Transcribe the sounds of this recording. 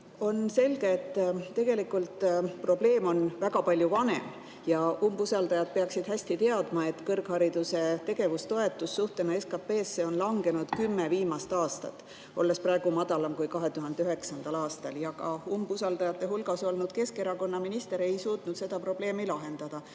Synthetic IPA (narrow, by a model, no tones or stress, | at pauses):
o̞nse̞lɡ̥e̞ːt̪ːˑt̪ːe̞ɡ̥e̞likult̪pro̞ble̞ːmo̞nvæɡ̥ɑpɑlʲjuvɑne̞̰m | jɑʔumbusɑld̪ɑjɑd̪̥̚pe̞ɑksid̪̥ɦæsʲt̪it̪e̞ɑd̪mɑe̞t̪ːkɤrɡ̥hɑɾid̪̥use̞t̪e̞ɡ̥e̞vust̪o̞e̞t̪ːˑusːuht̪e̞nɑeskɑpe̞ːsːe̞o̞nlɑŋɡe̞nud̪̥kymːeviːmɑst̪ɑːst̪ɑt̪ːˑ | olːe̞sprɑeɡ̥umɑd̪̥ɑlɑmkujkɑɦe̞t̪uɦɑnd̪eyɦeksɑnd̪̥ɑlɑːst̪ɑljɑɡɑumbusɑld̪ɑjɑt̪ːˑe̞ɦulɡ̥ɑso̞lnud̪̥ke̞ske̞ɾɑko̞nːɑminist̪e̞ɾe̞jsuːt̪nud̪̥se̞d̪̥ɑpro̞b̥le̞ːmilɑɦe̞nd̪̥ɑd̪̥ɑ